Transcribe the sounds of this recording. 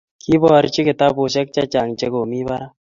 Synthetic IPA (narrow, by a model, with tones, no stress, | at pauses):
ki˦bɔː˨ɾt͡ʃi˦kɪ˨t̪a˦bo˨ʃ̬ɛ˦k̚t͡ʃa˦t͡ʃa˨ŋt͡ʃe˦ko˨mi˦ba˦ɾa˦